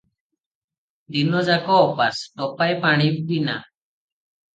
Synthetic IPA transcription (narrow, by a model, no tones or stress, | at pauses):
d̪inɔd͡ʒakɔːpasʈɔpajpaɽ̃ib̚bina̰